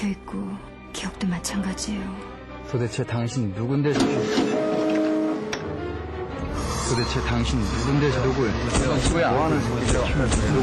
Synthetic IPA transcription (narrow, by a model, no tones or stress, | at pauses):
ʌik͈o | kijʌk̚t͈omat͡ɕʰaŋɡad͡ʑijo | sodet͡ɕʰe̞taŋɕʰinːuɡundwesʰipʰi | sodet͡ɕʰe̞taŋɕʰinːuɡundedoɡɯɭt͡ɕʰiueoɦanɯɭsʰuk͈ːid͡ʑo